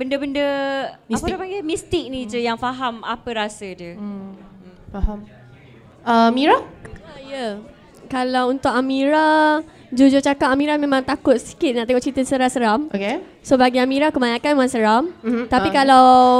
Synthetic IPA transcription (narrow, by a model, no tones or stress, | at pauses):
bəndəbəndəasaɡamist̪ɪk̚nid͡ʒəjaŋfaɦamapəɾasədə | faɦam | əmiɾaajə | kalawunt̪ʊʔamiɾa | d͡ʒud͡ʒʊt͡ʃakaʔ̚amiɾamẽmãŋt̪akʊt̪̚si̥kɪt̪̚naʔt̪eŋɔʔt͡ʃit̪əsəɾahsəɾamoke | sobaɡiamiɾakəmaɲãkanemãnsəɾamt̪apikalaw